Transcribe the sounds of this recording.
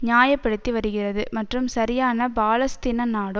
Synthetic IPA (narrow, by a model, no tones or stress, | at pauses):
ɲaːjɐpːɐɽɯt̪ːiʋɐɾɯɣɪrɐðɯmɐʈrɯmsɐɾɪjaːnɐbaːlɐst̪ɪnɐnaːɽɯ